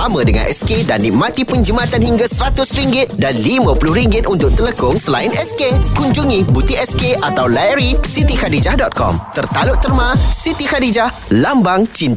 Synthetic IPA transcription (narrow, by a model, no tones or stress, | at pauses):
ʔamə̃dəŋã̰nʔɛskedanːḭk̚mãt̪ipəɲd͡ʒəmãt̪anhiŋɡasəɾat̪ʊsɾiŋɡɪt̪̚danlimãpuluhɾiŋɡɪt̪̚ʔunt̪ʊk̚t̪ələkʊŋsəlaɪnɛskekuɲd͡ʒuŋĩbut̪iɛskeʔat̪awlajɾisit̪ikadid͡ʒahdɔt̪̚kɔ̰mt̪ərt̪alʊʔt̪ərmãsit̪ikadid͡ʒah | lambaŋt͡ʃint̪a